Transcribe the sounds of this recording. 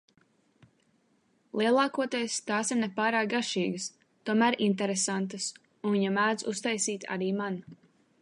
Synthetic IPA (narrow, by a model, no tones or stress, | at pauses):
lˠiɛlˠɑːkuɔt̪ejst̪aːsiɾnɛpaːɾaːk̚ɡaʃiːɡəs | t̪uɔmæːɾʔint̪̬ɛɾesant̪̬əs | ũnviɲamæːd̪zust̪ajsiːt̪ʰa̰ɾiːman